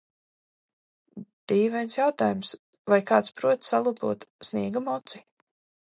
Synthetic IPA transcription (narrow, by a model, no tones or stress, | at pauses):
d̪̥iːvɛjnsjawt̪aːjums | vajkaːt̪spɾuɔt̪salˠupṵɔt̪snʲiɛɡamɔt̪si̥